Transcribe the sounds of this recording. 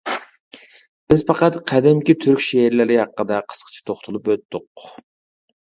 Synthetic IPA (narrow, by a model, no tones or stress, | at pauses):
b̥ɪzpɑqɑt̪qʰæd̪ɪmkʲit̪ʰyɾkʲʃeɾlɪɾɪɦɑqːəd̪ɑqʰə̥sqʰə̥t͡ʃʰi̥t̪ʰoχt̪ʰulˠupøt̪ːʊq